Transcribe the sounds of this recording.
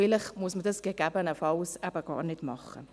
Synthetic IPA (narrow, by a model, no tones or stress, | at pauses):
ɪləχmʊəsmədəsɡ̥əɡɛbənəfɑwsɛbəɡ̥ɑ̰ːɾnɪtmɑχə̰